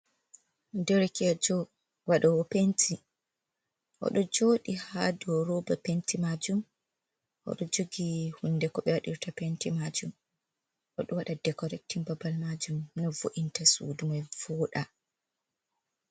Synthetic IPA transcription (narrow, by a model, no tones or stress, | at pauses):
ndɛɾɛkɛd͡ʒɔ | waɗawɔpentʰi | ʔɔ̰ɗɔd͡ʒoːɗihadɔɾɔbapentimad͡ʒum | ʔɔ̰ɗɔd͡ʒoɡihunːdɛkɔɓɛwaɗḭɾtapentimad͡ʒum | ʔɔ̰ɗɔwaɗadɛkɔɾɛk̚tinbabalmad͡ʒumnɔvo̰ʔintasṵːdumɔjvɔːɗa